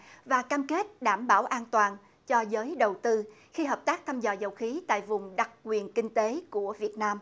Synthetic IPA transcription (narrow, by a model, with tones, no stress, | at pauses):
vaː˨˩kaː˧mke˦˥t̚ɗaː˧˩mɓaː˧˩wʔaː˧nt̪waː˨˩n | t͡ɕɔ˧zəː˨˦jɗə˨˩wt̪ɨ˧ | xi˧ɦəː˨˩p̚t̪aː˦˥k̚t̪ʰaː˧mzɔ̰ː˨˩zə˨˩wxi˨˦t̪a̰ː˧˨jvʊ˨˩ŋ͡mɗa˨˩k̚kwi˨˩ənkï˧ŋ̟t̪e˨˦ku˧˩əvi˨˩ət̚naː˧m